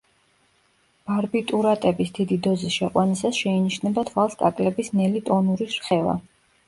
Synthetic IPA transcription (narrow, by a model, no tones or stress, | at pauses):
b̥aɾbit̪ʼuɾat̪ʼɛbisd̪id̪id̪ɔzisʃɛqʼwanisasʃɛiniʃnɛbat̪ʰvalˠskʼa̰kʼlɛbisnɛlit̪ʼɔnuɾisɾχɛva̰